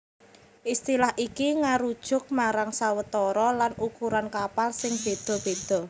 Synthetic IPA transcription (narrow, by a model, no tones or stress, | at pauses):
ʔist̪ilahʔikiŋaɾud̥ʒ̥ʊ̤k̚maɾaŋsawət̪ɔɾɔlanukuɾankapalsɪŋb̥e̤d̪̥ɔ̤b̥e̤d̪̥ɔ̤